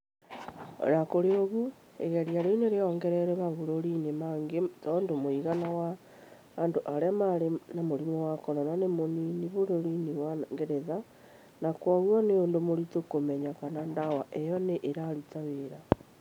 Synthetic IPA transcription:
ɾakoɾeoɣu | ḛɣɛɾiaɾeineɾeɔŋɡɛɾɛɾɛβaβoɾoɾinemaŋɡetɔːndomoiɣanawaː | ndoʔaɾeamaɾenamoɾimowakɔnɔnanemoniniβoɾoɾiniwaŋɡeɾeða | nakwɔɣwɔneondomoɾitokomɛɲakanandawaʔejɔneʔeɾaɾutaweɾa

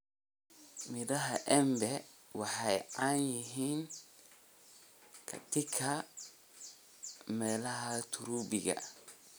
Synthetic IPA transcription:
midaɦaʔɛmbɛ | wahajaɲiɦin | ka̰tikʰa | mɛlahatuɾubiɡa̰

